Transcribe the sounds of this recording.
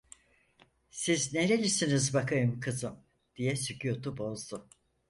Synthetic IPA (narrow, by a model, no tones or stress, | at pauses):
sizneɾelʲisinizbakʰajɯmkʰɯzɯm | d̪̥ijɛsycʰyjot̪ubo̞zd̪ʊ